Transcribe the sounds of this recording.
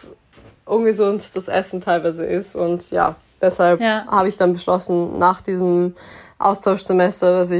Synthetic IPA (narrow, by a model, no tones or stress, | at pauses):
ʔʊnɡəzʊntd̥asʔɛ̰sn̩tʰaɪlvaɪzə̰ʔɪstʊntja̰ː | d̥ɛshalphaːbəɪçd̥anbəʃlɔsn̩naːχd̥iːzəmʔa̰ʊstʰaʊʃz̥emɛstɐdas̬ɪ